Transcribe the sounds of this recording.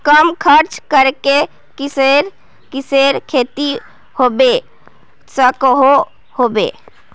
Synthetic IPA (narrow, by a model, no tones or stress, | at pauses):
kəmkʰəɾt͡ʃkəɾke | ksɾ | kɪseɾkʰeːt̪i | hoːbe | səkɦo | hobḛ